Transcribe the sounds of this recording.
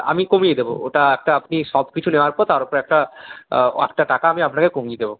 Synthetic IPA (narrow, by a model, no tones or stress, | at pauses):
a̰mikomijed̪ebo̰eʈaɛk̚ʈaapniʃɔbkit͡ɕʰuneoaɾpɔɾt̪aɾopɔɾɛk̚ʈa | ɛ̰k̚ʈaʈakaamiapnakekomied̪ebo